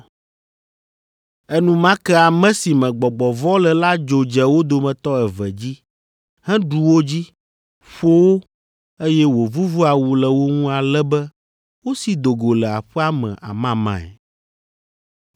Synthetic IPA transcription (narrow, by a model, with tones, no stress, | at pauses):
ɛ˦nũ˦mã˦kɛ˦a˨mɛ̃˦si˨mɛ̃˨ɡ͡bɔ˨ɡ͡bɔ˨vɔ˦lɛ˨la˦d͡ʒo˨d͡ʒɛ˨wo˦d̪o˨mɛ̃˨t̪ɔ˦ɛ˨vɛ̰˨d͡ʑi˦ | hɛ̃˦ɖu˨wo˦d͡ʑi˦ | ɸo˦wo˦ | e˦jɛ˦wo˨vu˦vu˦a˨wu˨lɛ˨wo˦ŋũ˦a˨lɛ˦bɛ˦ | wo˦si˨d̪o˨ɡo˨lɛ˨a̰˨ɸɛ˦a˦mɛ̰̃˨ʔa̰˨mã˦mã̰˨ɛ̰˨